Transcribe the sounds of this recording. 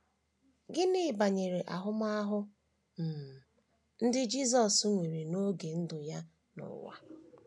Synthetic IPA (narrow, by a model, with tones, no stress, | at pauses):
ɡɪ˦nɪ˦˨ba˨ɲe˨ɾe˨ʔa˨ɦʊ˦ma˦a˦ɦʊ˦ | m̩˨ | n̩˦dɪ˦d͡ʒi˦zɔ˨sŋʷe˨ɾe˨no˦ɡe˨n̩˦dʊ˨ja˦ | nʊ̰˨wa̰˦